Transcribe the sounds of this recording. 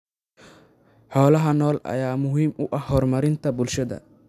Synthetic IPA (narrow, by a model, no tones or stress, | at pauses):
ħɔːlɐɦɐnɔːlʔɐ̰jaːmʊɦiːmʊʔɐhːɔːrmɐɾɪnt̪ʰɐbʊlʃɐðɐ̰